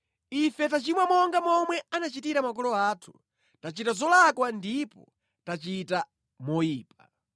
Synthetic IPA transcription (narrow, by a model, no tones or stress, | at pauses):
ifɛtat͡ʃimwamɔŋɡamɔmwɛanat͡ʃitiɾamak̬ɔlɔaːtʰu̥ | tat͡ʃitazɔlakwandipɔ̰ | tat͡ʃita | mɔiːp̚a